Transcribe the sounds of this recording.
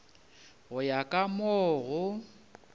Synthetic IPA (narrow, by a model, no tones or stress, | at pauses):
ɣʊjakʼamɔːɣʊ